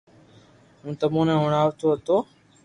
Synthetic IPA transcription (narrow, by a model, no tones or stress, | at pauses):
ɦũːt̪əmõːnẽːɦʊɳaːʋt̪ʰoːɦət̪oː